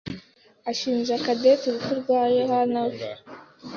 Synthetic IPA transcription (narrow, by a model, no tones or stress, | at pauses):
aʃiːnʒakadetuɾukuɾɡɡwaːjohanaw